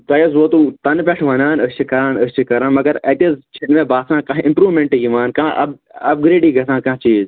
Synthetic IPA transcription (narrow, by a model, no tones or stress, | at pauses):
t̪ɐjɐzʋoːt̪ut̪ɐnpʲeʈʰʋɐnaːnəst͡ʃʰikɐɾaːnəst͡ʃʰikɐɾaːnmɐɡɐɾɐt̪ezt͡ʃʰinmẽbaːsãːkãːɦɪ̃mpɾuːʋmẽɳʈɨjiʋaːnkãːʔɐ̰bɐb̚ɡɾeːɖiːɡɐsʰãːkɐ̃ɦt͡ʃiːz